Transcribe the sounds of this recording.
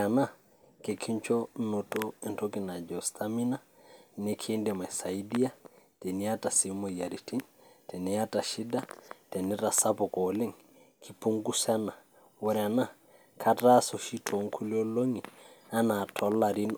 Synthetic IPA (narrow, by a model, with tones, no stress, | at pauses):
ana˦ | ke˨kʰi˦ɲt͡ʃɔ˦no˨to˦e˨ntoki˨na˨d͡ʒɔ˨stʰami˦na | nekʰe˦ndɛ˨ma˨sa˨i˦di˦ja˦te˨ni˦a˦ta˨si˦mo˨ja˨ɾi˨ti˦ntɛ˨ni˨ja˦ta˨ʃi˦da˦tɛ˨ni˦ɾa˨sapɔ˨kɔle˦ŋ | ki˨pu˦ŋɡu˦sa˦na˨ | wɔ˦ɾɛa˨na˦ | kʰa˦ta˦so˨ʃi˦tʰo˨ŋkʰu˦li˦o˦lo˦ŋi˨a˦natʰɔ˦lːa˨ɾi˦n